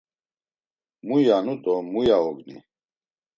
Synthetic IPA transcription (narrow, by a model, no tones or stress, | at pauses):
mujanud̪ɔmujaɔɡnḭ